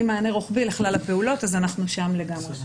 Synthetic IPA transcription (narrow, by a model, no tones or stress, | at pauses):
imaːneʁoχbileχlalape̞ulo̞t̪azanaχnuʃamle̞ɡamʁe